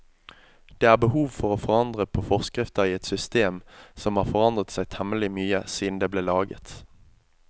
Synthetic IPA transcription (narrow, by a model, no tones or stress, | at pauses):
d̪̥eːæːʁbəhuːʋfɔʁoːfɔʁɑnd̪ʁəpʰoːfɔʁskʁɪft̪əʁiːɛt̪sʏst̪eːmsɔmhɑːʁfɔʁɑnd̪ʁət̪sæɪt̪ʰɛməlɪmyːəsiːd̪n̩d̪eːbleːlɑːɡə̰t̪